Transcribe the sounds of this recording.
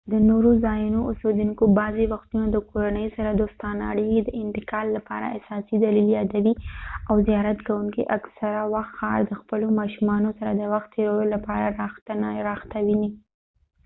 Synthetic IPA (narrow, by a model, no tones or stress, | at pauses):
d̪ənoɾozɑjunoʔʊsed̪uŋkobɑzewaxt̪unad̪əkoɾanəjsaɾad̪ost̪ɑna̰ɽiɦed̪əɪnt̪ɪkɑlːapɑɾa̰asɑsid̪aliljɑd̪awiawzijɑɾat̪kawuŋkiʔaksaɾawaxt̪xɑ̰ɾd̪əxpəlomɑʃumɑnosaɾad̪əwaxt̪ːeɾawolapɑɾaɾɑxt̪nɾɑxt̪awini